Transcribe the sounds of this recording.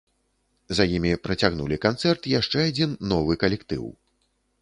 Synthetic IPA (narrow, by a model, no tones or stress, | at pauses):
zɐjimʲipɾɐt͡sʲaɣnulʲikant̪sɛrt̪jaʂt͡ʂɛad͡zʲinːɔvɨkɐlʲɛkt̪ɨ̰w